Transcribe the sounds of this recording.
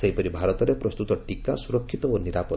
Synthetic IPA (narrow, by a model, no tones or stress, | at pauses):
seɦipɔɾibʱaɾɔt̪ɔɾepɾɔst̪ut̪ɔʈikasuɾɔkʰːit̪ɔoniɾapɔ